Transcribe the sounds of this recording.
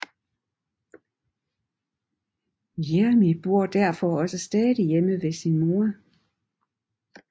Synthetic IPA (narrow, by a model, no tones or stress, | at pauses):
jeɐmib̥o̝ɐ̰d̥æɐfɒɒ̽səsd̥ɛːðˠijeməʋe̝sinmo̝ɐ